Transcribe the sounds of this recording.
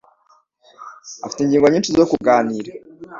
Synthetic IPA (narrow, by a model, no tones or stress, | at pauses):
a̰fi̥tiɲɟiːŋɡoɲiːnʃizokuɡaːniːɾa